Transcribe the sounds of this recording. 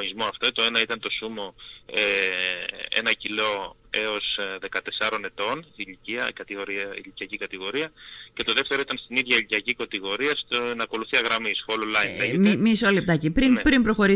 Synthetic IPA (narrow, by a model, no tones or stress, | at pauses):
oizmo̞ɐft̪ot̪oe̞nɐit̪ɐnt̪o̞sumo̞e | e̞̰nɐcilo̞ | e̞o̞sðe̞kɐt̪e̞sɐɾo̞ne̞t̪o̞niliciɐ̰kɐt̪iɣoɾiɐḭliciɐcikɐt̪iɣo̞ɾiɐce̞t̪o̞ðeft̪e̞ɾo̞it̪ɐnst̪iniðʝɐiliciɐcikɐt̪iɣo̞ɾiɐst̪onɐko̞luθiɐɣɾɐmisfololɐinlemimisolep̚t̪ɐcipɾinepɾimpɾo̞xo̞ɾi